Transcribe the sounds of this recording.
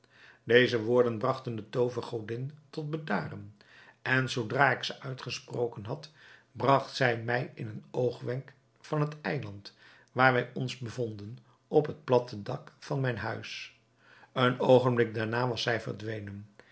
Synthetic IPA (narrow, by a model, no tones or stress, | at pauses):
dejzəʋʊːɹdənbrɑχtəndətowvəχowdɪntɔt̚bəda̰ːrən | ʔɛnzowdraːɪksəʔœɥtχəsprowkənɦɑtbrɑχtsɛjmɛjɪnənowχʋɛŋk | fɑnɦətɛjlɑnt | ʋaːɹʋɛjɔnzbəvɔndən | ɔpɦət̚plɑtədɑkfɑnmɛjnɦœɥs | ənowχənblɪɡ̚daːɹnaːʋɑsɛjvə̰ɹdʋejnən